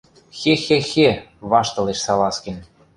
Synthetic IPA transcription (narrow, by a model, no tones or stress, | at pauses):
xexexeβɑʃt̪ɤ̆leʃsɑlɑskĕnʲ